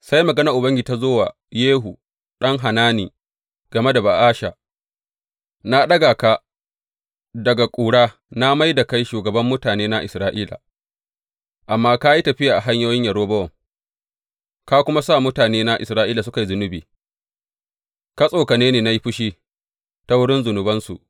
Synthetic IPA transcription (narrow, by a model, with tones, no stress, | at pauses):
sa˦jmɐ˨ɡɐ˦nɐ˨ʔʊ˨bɐ˦ŋɡʲi˨ta˦zoː˦wa˨ | jeː˦ɦu˨ | ɗɐ˦ŋɦa˨naː˦nḭː˨ | ɡ̥ɐ˨me˦da˨ba˨ʔaː˦ʃa̰˨ | na˦ɗɐ˦ɡaː˨ka˦ | dɐ˨ɡa˨kʷʼuː˨ɽaː˦ | na˦ma˦jda˨ka˦jʃuː˨ɡɐ˨bɐ˦mːʊ˦taː˨neː˦na˦ʔɪ̰˨sɾaː˦ʔiː˦la̰˨ | ʔa˨mːaː˦ka˦ji˦tɐ˨ɸɪ˦jaː˨ʔa˨ɦa˦ɲjoː˦jɪ˦ɲjɐ˨ɾoː˦bɐ˦wɔ˨ŋ | ka˦kʷʊ˦ma˦sa˦˨mʊ˦taː˨neː˦na˦ʔɪ̰˨sɾaː˦ʔiː˦la˨sʊ˦ka˨jzʊ˨nʊ˦biː˨ | ka˦sʼoː˨ka˨neː˦neː˨na˦ji˦ɸʊ˦ʃiː˦ | ta˦wʊ˦ɽɪ˦nzʊ˨nʊ˨bɐ˦nsṵ˨ʔ